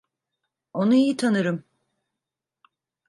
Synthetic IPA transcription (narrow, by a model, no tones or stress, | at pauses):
o̞nuijit̪ʰanɯɾɯm